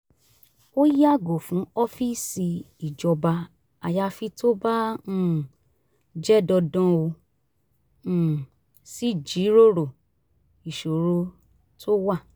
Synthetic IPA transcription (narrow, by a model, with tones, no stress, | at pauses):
o˦ja˦˨ɡo˨fũ˨˦ɔ˦fi˦si˧ | i˨d͡ʒɔ˧ba˧ | a˧ja˧fi˧to˦ba˦ũ˦˨ | d͡ʒɛ˦dɔ˧dɔ̃˦o˧˨ | si˦d͡ʒi˨˦ɾo˦ɾo˨ | i˨ʃo˨ɾo˨˦ | tʰo˦wa˦˨